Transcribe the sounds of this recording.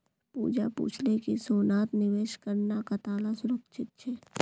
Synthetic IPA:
pṵːd͡ʒapṵːt͡ʃʰlekisoːnaːt̪nɪʋeːʃkəɾnakat̪aːlasʊɾəkt͡ʃʰɪt̪̚t͡ʃʰɛː

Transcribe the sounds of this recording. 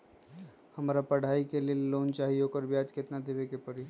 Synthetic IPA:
həmɾapəɽ̤aikelelont͡ʃaɦioːkəɾbjad͡ʒket̪nad̪eʋekepəɾi

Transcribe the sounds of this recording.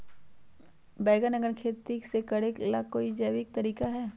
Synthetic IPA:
bɛːɡənɐɡəɳkʰeːt̪isekɐɽeːklakːoːid͡ʒɐːʋɪk̚t̪ɐɾiːkaɦɛː

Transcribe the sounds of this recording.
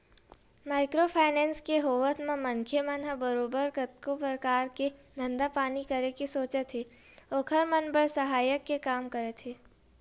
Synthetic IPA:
maːɪkɾopʰaːɪnɛ̃ːnskeɦoːʋət̪mẽmɐ̃ŋkʰjemə̃nɦabəɾoːbəɾkɐt̪̚kopɾəkaːɾked̪ʱɐ̃nd̪apaːnikɐɾekesoːt͡ʃet̪ʰe | oːkʰɐɾmɐnbəɾsɐɦaːjəkːekaːmkɐɾet̪ʰeː

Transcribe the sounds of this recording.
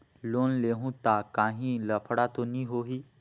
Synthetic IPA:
lonleɦũt̪akãɦĩləpʰɽat̪onĩɦoɦiː

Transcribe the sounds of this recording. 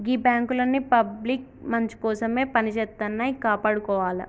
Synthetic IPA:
ɡibaːŋkulɐnːipɐblik̚mɐɲt͡ʃu̥kɔːsɐmeːpɐnit͡ʃeːt̪ːɐnːaːjikaːpaːɽukɔːʋaːlɐ̰

